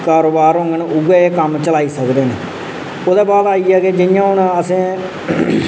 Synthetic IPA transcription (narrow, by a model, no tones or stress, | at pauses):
kaːɾoːbaːɾɦõːŋɡənʊɡɛeːkəmt͡ʃəlaːiːsəkd̪eːnḛː | oːd̪ɛːbaːd̪aːiːɛːkeːd͡ʒɪjãːɦʊnəsẽː